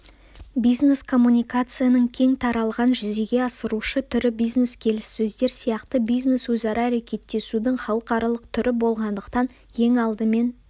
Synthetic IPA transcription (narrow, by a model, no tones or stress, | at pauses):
bijzne̞skʰo̞mːunʲijkat̪sɨjanəɴkʲʰe̞ŋt̪ʰɑɾɑlˠʁɑnʒʏze̞ɡʲe̞ɑsəɾuʃət̪ʰʏɾɪbijzne̞skʲʰe̞lɪsːɵzd̪e̞ɾsijɑqt̪əbijzne̞swɵzɑɾɑːɾe̞kʲe̞t̪ːe̞sud̪ɪɴχɑlˠəqɑɾɑlˠəqt̪ʰʏɾʔɪbo̞lˠʁɑnd̪əqt̪ɑn | je̞ŋɑlˠd̪əme̞n